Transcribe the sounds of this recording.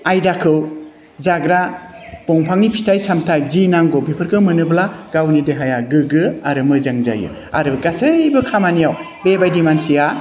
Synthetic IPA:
ajdakʰɯw | zaɡɾab̥ɔŋpʰaŋnipʰitʰajsamtʰajzinaŋɡɔbipʰɯɾkʰɯmɯnɯblaɡawnideɦajaɡɯɡɯaɾɯmɯzaŋza̰jɯ̰ | a̰ɾɯɡasajbɯkʰamanijaw | bebajdimansija

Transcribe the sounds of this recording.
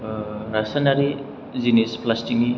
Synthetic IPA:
ɾasanaɾi | zinesplasʈiŋi

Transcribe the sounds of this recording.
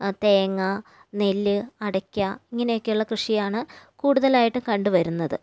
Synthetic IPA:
t̪e̞ːŋːɐ | ne̞lːɨɐɽɐkʲːɐiŋːɐnejo̞kːejuɭːɐkrɨʂijaːɳɨkuːɽuðɐlaːjiʈːɨkɐɳɖɨʋɐɾunːɐðɨ

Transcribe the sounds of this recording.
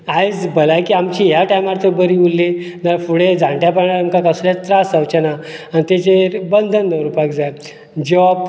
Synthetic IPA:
ajd͡zbəlajkiːamt͡ɕiːɦjaʈajmaɾt̪ʰəɾbəɾiulːi | naɾfuɽed͡zʱãɳʈjapəɳaɾamkakasulat̪ɾasəwt͡ɕənaanit̪et͡ɕebənd̪ʱənːəɾupakd͡zaj | d͡ʑap

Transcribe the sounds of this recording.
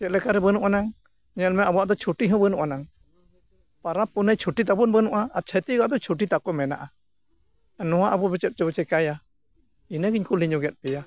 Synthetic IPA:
kɛt̪̚lɛkaɾɛbənuʔanaŋ | ɲɛlmɛabɔwaʔd̪ɔt͡ʃʰuʈiɦɔ̃bənuʔanaŋ | paɾapːunəjt͡ʃʰuʈit̪̬abɔnbənuʔaːt͡ʃʰət̪iɡɔaʔd̪ɔt͡ʃʰuʈ̬it̪akɔmɛna̰ʔa | anɔwaʔabɔbɛt͡ʃɛp̚t͡ʃɛbɛt͡ʃɛkaja | inəɡiɲkuliɲɔɡɛt̪̚ˀpɛja

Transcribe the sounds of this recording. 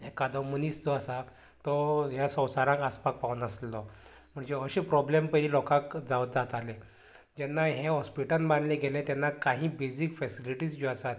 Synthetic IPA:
ekad̪ɔmənisd͡zɔasa | t̪ɔɦjasə̃w̃saɾãŋkaspak̚paʋunəslɔ | m̤əɳd͡ʑeəɕẽpɾɔblempəɾilɔkãkd͡zaʋət̪̚d͡zat̪ale | d͡ʑɛnːaɦẽɦɔspiʈanbanlẽɡelẽt̪jɛnːakaɦĩːbesikfɛsiliʈiːsɡɔasat̪

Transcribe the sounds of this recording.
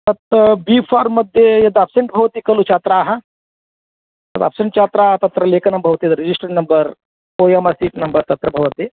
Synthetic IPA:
t̪ɐt̪biːfʰaːɾmɐd̪ʱjejɐd̪apseɳʈbʱɐʋɐt̪ikɐlut͡ʃaːt̪ɾaːɦɐ | t̪ɐd̪a̰pseɳʈt͡ʃaːt̪ɾaːɦɐt̪ɐt̪ɾɐleːkɐnɐmbʱɐʋɐt̪ijɐd̪ɾid͡ʒisʈɐɾnɐmbɐɾ | oːjemɐsiːʈnɐmbɐɾt̪ɐt̪ɾɐbʱɐʋɐt̪i

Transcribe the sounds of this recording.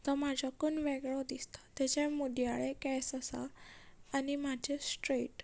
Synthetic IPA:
t̪ɔmad͡ʑʱakunʋɛɡɭɔd̪ist̪ḁt̪ɛt͡ɕamud̪jaɭekɛsəsaː | nimad͡ʑesʈɾeʈ

